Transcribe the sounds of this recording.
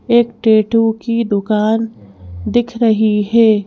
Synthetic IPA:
eːkʈeːʈukid̪ʊkaːnd̪ɪkʰɾɐɦiɦɛː

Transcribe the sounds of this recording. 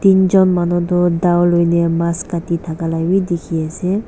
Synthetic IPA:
tinzɔnmanɔtɔdawlojnɛmaskatitʰakalabidikʰiasɛ

